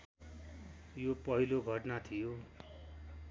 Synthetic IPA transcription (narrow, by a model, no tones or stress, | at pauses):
jopʌɦiloɡʱʌʈnat̪ʰijo